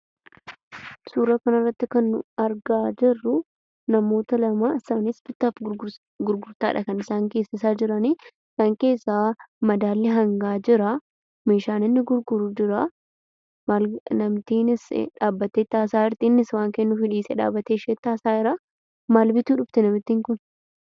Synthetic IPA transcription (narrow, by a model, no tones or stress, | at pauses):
suːɾɐkɐnɐrːɐt̪ːɪkɐnːʊ̰ɐɾɡaːd͡ʒɪrːʊ | nɐmo̞ːt̪ɐlɐmaːɪsaːnɪsbɪt̪ːaːf | ɡʊɾɡʊɾt̪aːɪᶑɐkɐnɪsaːŋke̞ːsɪs̬aːd͡ʒɪɾɐniːɪsaːŋke̞ːsːaːmɐd̪aːlːɪɦɐŋɡaːd͡ʒɪɾɐ | meːʃaːnɪnːɪɡʊɾɡʊɾuːd͡ʒɪɾa | malnɐmt̪iːnɪsᶑaːbːɐt̪ːeːt̪ːaːsaːɪɾt̪inːɪswaːŋkeːnːʊfɪᶑiːsɛᶑa̰ːbɐt̪eːʃeːt̪ːaːsaːɪɾaː | maːlbɪt̪uːᶑʊbt̪ɪnɐmɪt̪ːiːŋkʊn